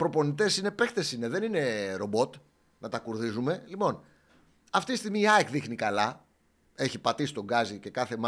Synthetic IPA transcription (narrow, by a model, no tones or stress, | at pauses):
pɾo̞po̞nit̪e̞sine̞pe̞xt̪e̞sine̞ðe̞nine̞ɾo̞bo̞t̪ | nɐt̪ɐkuɾðizume̞lipo̞n | ɐft̪ist̪iɣmiːɐekðixnikɐlɐ | e̞çipɐt̪isi̥t̪o̞ɡɐzice̞kɐθe̞m